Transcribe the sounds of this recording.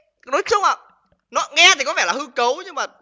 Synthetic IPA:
no˨˦jt͡ɕɨ˦əŋ͡mʔa̰˧˨˩ | nɔ˨˦ŋɛ˧t̪ʰi˨˩kɔ˨˦vɛ̰˧˩laː˨˩hɨ˧kə˨˦wɲɨ˧ŋmaː˨˩

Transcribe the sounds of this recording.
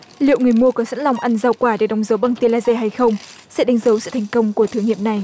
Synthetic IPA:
lḭ˧˨ə˨wŋɨ˨˩əjmu˧əkɔ˨˦sə̰˧˥nla˧wŋ͡mʔa˧nza˧wkwaː˧˩ɗe˧˩ɗə˨˦wŋ͡mzə˨˦wɓa˧˩ŋt̪i˧laː˧ze˧ɦa˧jxə˧wŋ͡msɨ̰˧˥ɗa˨˦ŋ̟zə˨˦wsɨ̰˧˨t̪ʰa˨˩ŋ̟kə˧wŋ͡mku˧˩ət̪ʰɨ˨˦ŋḭ˧˨əmna˨˩j

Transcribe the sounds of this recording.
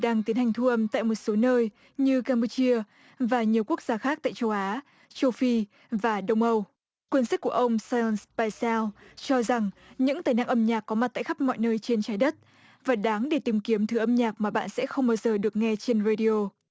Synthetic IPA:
ɗaː˧ŋt̪i˨˦ənhɦa˨˩jŋ̟t̪ʰu˧ʔə˧mt̪a̰ː˧˨jmo˨˩t̚so˨˦nəː˧j | ɲɨ˧kaː˧mpu˧t͡ɕi˧ə | vaː˨˩ɲi˨˩əwku˦˥ək̚z̥aː˧xaː˦˥k̚t̪a̰ː˧˨jt͡ɕə˧wʔaː˨˦ | t͡ɕo˧fi˧ | vaː˨˩ɗə˧wŋ͡mʔə˧w | kwi˧nsi˦˥ku˧˩əʔə˧wŋ͡msa˧nspaː˧sɛ˧lt͡ɕɔ˧za˨˩ŋɲɨ̰˧˥ŋt̪aː˨˩jna̰ː˧˥ŋʔə˧mɲaː˨˩k̚kɔ˨˦ma˨˩t̚t̪a̰ː˧˨xa˦˥p̚nɔ̰˧˨jnəː˧jt͡ɕe˧nt͡ɕaː˨˦jɗə˦˥t̚ | vaː˨˩ɗaː˨˦ŋɗe˧˩t̪i˨˦mki˨˦əmt̪ʰɨ˨˧˦ʔə˧mɲaː˨˩k̚maː˨˩ɓa̰ː˧˨nsɛ̰˧˥xə˧wŋ͡mɓaː˧wzəː˨˩ɗɨ˨˩ək̚ŋɛ˧t͡ɕe˧nɾaː˧ɗi˧o˧

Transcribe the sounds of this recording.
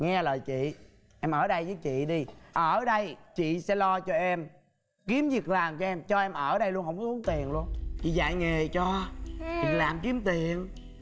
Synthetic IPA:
ŋɛ˧ləː˨˩jt͡ɕḭ˧˨ | ʔɛ˧mʔəː˧˩ɗə˧jvəː˨˦jt͡ɕḭ˧˨ɗi˧ʔəː˧˩ɗə˧jt͡ɕḭ˧˨sɛ̰˧˥lɔ˧t͡ɕɔ˧ʔɛ˧m | ki˨˦əmzi˨˩ək̚laː˨˩mt͡ɕɔ˧ʔɛ˧mt͡ɕɔ˧ʔɛ˧mʔəː˧˩ɗə˧jlu˧ənhə˧˩wŋ͡msu˨˦əŋt̪i˨˩ənlu˧ənt͡ɕḭ˧˨za̰ː˧˨jŋe˨˩t͡ɕɔ˧ɲi˨˩k̚laː˨˩mki˨˦əmt̪i˨˩ən

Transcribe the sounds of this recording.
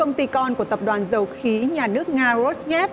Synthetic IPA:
ə˧wŋ͡mt̪i˧kɔ˧nku˧˩ət̪ə˨˩p̚ɗwaː˨˩nzə˨˩wxi˨˦ɲaː˨˩nɨ˦˥ək̚ŋaː˧zo˦˥sŋɛ˦˥p̚

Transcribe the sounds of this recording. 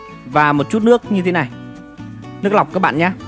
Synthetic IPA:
vaː˨˩mo˨˩t̚t͡ɕu˦˥t̚nɨ˦˥ək̚ɲɨ˧e˨˦na˨˩j | nɨ˦˥ək̚la˨˩k͡p̚kaː˦˥k̚ɓa̰ː˧˨ɲaː˧˥

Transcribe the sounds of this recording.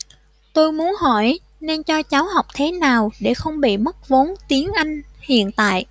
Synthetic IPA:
t̪o˧jmu˨˦ənɦɔ˧˩j | ne˧nt͡ɕɔ˧t͡ɕa˨˦wɦa˨˩wk͡p̚t̪ʰe˨˦naː˨˩wɗe˧˩xə˧wŋ͡mɓḭ˧˨mə˦˥k̚vo˨˦nt̪i˨˦ənʔa˧jŋ̟hḭ˧˨ənt̪a̰ː˧˨jʔ

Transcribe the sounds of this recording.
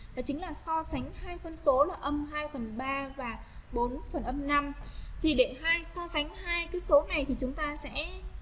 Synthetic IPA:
a˨˩t͡ɕï˨˦laː˨˩sɔ˧sa˨˦ŋ̟haː˧jfə˧nso˨˦laː˨˩ʔə˧mɦaː˧jfə˨˩nɓaː˧vaː˨˩ | ɓo˨˦nfə˨˩nʔə˧mna˧mt̪ʰi˨˩ɗe˧˩ɦaː˧jsɔ˧sa˨˦ŋ̟haː˧jkaː˨˦so˨˦na˨˩jt̪ʰi˨˩t͡ɕʊ˨˦ŋ͡mt̪aː˧sɛ̰˧˥

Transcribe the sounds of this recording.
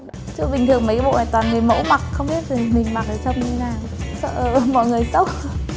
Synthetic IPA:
t͡ɕɨ˦˧˥ɓï˨˩ŋ̟t̪ʰɨ˨˩əŋmə˨˦jkɓ̰o̰˧˨ʔa̰ː˧˩t̪waː˨˩nŋɨ˨˩əjmo̰˧˥ma˨˩k̚xə˧wŋ͡mɓi˦˥ət̚zi˨˩mï˨˩ŋ̟ma˨˩k̚zəː˨˩sʰwŋ͡mɲɨ˧t̪ʰe˨˦naː˨˩w | sə̰ː˧˨ʔə˨˩˨mɔ̰˧˨jŋɨ˨˩əjsə˦˥wk͡p̚

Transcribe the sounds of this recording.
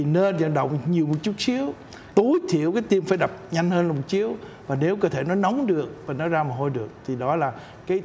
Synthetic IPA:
i˨˩ne˧nzə̰˧˨nɗə̰˧˨wŋ͡mɲi˨˩əwmo˨˩t̚t͡ɕu˦˥t̚si˨˦əw | t̪o˨˦jt̪ʰḭ˧˨əwkaː˨˦jt̪i˧mfaː˧˩jɗa˨˩p̚ɲa˧ŋ̟həː˧nlaː˨˩mo˨˩t̚t͡ɕi˨˦əw | vaː˨˩ne˨˦wkɔː˧˦˧t̪ʰe˧˩nɔ˨˦jnə˨˦wŋ͡mɗɨ˨˩ək̚vaː˨˩nɔ˨˦zaː˧maː˨˩ɦo˧jɗɨ˨˩ək̚t̪ʰi˨˩ɗɔ˨˦laː˨˩ | kaː˨˦j

